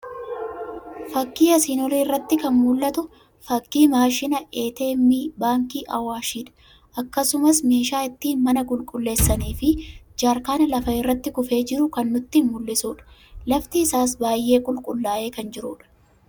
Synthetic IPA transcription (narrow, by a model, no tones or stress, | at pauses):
fɐkːiːɐsiːnɔliːrːɐt̪ːɪkɐnmʊlːɐt̪ʊ | fɐkːiːmaːʃɪnɐʔe̞ːt̪eːmːiːbaːŋkiːʔɐ̰waːʃiːᶑɐ̥ | ʔɐkːɐsʊmɐsme̞ːʃaːɪt̪ːiːmɐnɐkʼʊlkʼʊlːe̞ːsːɐniːfɪd͡ʒaːɾkaːnɐlɐfɐɪrːɐt̪ːɪkʊfe̞ːd͡ʒɪɾʊkɐnːʊt̪ːɪnmʊlːɪsuːᶑɐ̥lɐft̪ɪːsaːs̬baːjːe̞ːkʼʊlkʼʊlːaːʔe̞ːkɐnd͡ʒɪɾuːᶑɐ̥